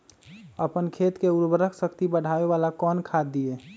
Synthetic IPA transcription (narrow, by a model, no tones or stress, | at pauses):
əpənkʰet̪keuɾbəɾəkʰsəkt̪ibəɽ̤ʱaʋeʋalakɔnkʰad̪ie